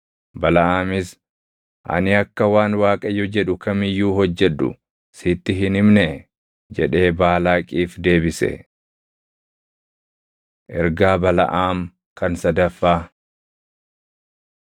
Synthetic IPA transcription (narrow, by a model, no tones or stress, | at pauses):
bɐlɐʔaːmɪs | ʔɐ̰nɪɐkːɐwaːnwaːkʼɐjːʊd͡ʒɛᶑʊkɐmɪjːuːɦɔd͡ʒːɛᶑ̪ːʊ̰ | siːt̪ːɪɦɪnɪmnɛ | d͡ʒɛᶑe̞ːbaːlaːkʼiːfd̪e̞ːbɪsɛ̰ | ʔɛɾɡaːbɐlɐ̰ʔaːm | kɐnsɐd̪ɐfːaː